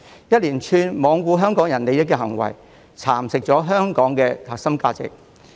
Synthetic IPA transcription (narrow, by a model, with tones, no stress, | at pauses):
jɐ˥t̚liː˨˩nt͡ʃʰyː˧nmɔː˨˧ŋkuː˧ɦœː˥ŋkɔː˨˥ŋjɐ˨˩nle˨˧jɐ˥t̚kɛː˧ɦɐ˨˩ŋwɐ̰˨˩j | t͡sʰaː˨˩msɪ˨k̚t͡ʃɔː˨˥ɦœː˥ŋkɔː˨˥ŋkɛː˧hɐ˨k̚sɐ˥mkaː˧t͡sɪ̰˨k̚